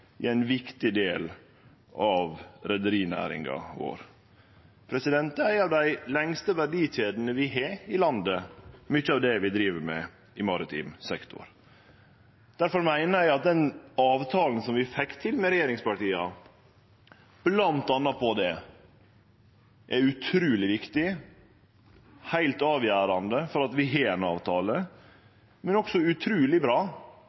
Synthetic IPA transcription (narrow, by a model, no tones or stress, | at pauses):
ʔɪ̰æɪnʋɪkt̪ɪd̪eːl | ʔɑʋɾɛd̪əɾiːnæ̰ːɾɪ̰ŋɡɑ̰ʋo̰ːɾ | pʰɾɛsɪd̪ɛnt̪əæɪɑʋd̪æɪlɛŋst̪əʋæɖiːɕeːd̪n̩əʋɪɦeːɪlɑnd̪əmʏçːəɑʋd̪ɛʋɪd̪ɾiːʋəɾmɛ̰ | ɪmɑɾɪt̪ʰḭːmsɛkt̪ʰʊ̰ɾ | d̪̥æɾfɔɾmæɪnəæɪɑt̪̚d̪ɛnɑːʋt̪ʰɑːln̩sɔmʋɪfɛkt̪ʰɪlmɛɾɛjeːɾɪŋspɑʈiːɑ | b̥lɑnt̪ɑnːɑpʰɔd̪ɛ | ʔɛʉt̪ʰɾʉːlɪʋɪkt̪ɪ | hæɪlt̪ɑːʋjæːɾɑnd̪əfɔɾɑt̪ʋɪɦeːɛnɑːʋt̪ʰɑːlə | mɛnɔksɔʉt̪ʰɾʉːlɪbɾɑː